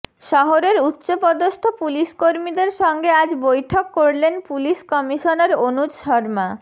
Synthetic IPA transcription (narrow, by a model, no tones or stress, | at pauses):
ʃɔɦoɾeɾutːɕopɔd̪oʃt̪ʰopuliʃkoɾmid̪eɾʃɔŋɡead͡ʑbojʈʰokːoɾlenpuliʃkɔmiʃoneɾonud͡ʑʃɔɾma